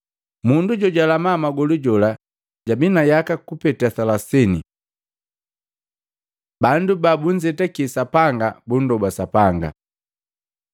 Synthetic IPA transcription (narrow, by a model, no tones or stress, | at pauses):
munduɟɔɟalamaːmaɡɔluɟɔla | ɟabinajakakupɛtasalasɛni | bandubabuɲd͡ʒɛtakisapaŋɡabun̩dɔbasapaŋɡa̰